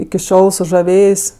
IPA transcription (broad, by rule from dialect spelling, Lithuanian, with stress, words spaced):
ɪkʲɪ ˈʃʲoːlˠ sʊʒɐˈʋʲeːjeːsʲ